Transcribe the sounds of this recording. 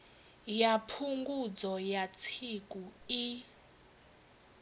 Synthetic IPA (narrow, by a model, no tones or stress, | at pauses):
japʰuŋɡud͡zɔjat͡sʰik̬ʼui